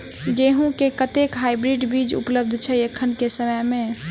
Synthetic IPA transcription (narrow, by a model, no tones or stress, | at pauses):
d͡ʒeɦũkekət̪ekɦajbɾiɖbid͡ʒṵpləb̚d̪ʱt͡ʃʰɛekʰənkesəməjme